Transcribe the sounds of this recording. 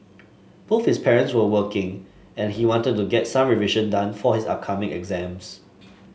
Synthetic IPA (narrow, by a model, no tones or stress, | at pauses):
b̥oθhɪspʰɛɹə̃ntswəwəkɪ̃ŋ | ɛ̃nhiwɔ̃ntəd̚tuɡɛtsãmɹiviʒə̃ndãnfɔhɪsa̰p̚kʰamɪ̃ŋɛ̰ɡzɛ̃ms